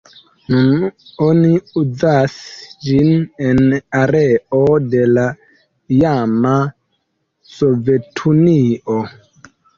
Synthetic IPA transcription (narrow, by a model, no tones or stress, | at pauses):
nunoniuzasd͡ʒinenaɾeo̞de̞la | jama | so̞ve̞tʰunio